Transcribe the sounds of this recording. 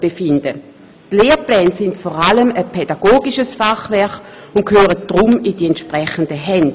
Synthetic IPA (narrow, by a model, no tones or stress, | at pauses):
b̥efɪnd̥ə | tleːʁplɛːnsɪntfɔʁaləməpʰɛdaɡ̥oːɡiʃəsfaχvɛɐχ | ʊnt̚kʰhøːʁəd̥ʁʊmidiɛntʃpʁɛχəndəɦɛnd